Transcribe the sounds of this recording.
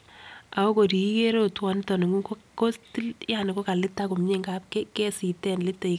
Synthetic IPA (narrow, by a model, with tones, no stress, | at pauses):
ʔa˨o˦ko˨ɾi˨i˦ke˦ɾo˦˨twɔ˨˦n˦tɔ˨nɪ˨ŋu˦ko˦ko˦sti˦lja˨nɪ˨ko˦ka˨lɪ˦tːa˦ku˨mɲe˦ŋɡa˦p̚kɛ˦kɛ˦si˨tɛ˦nlɪ˦tːe˨i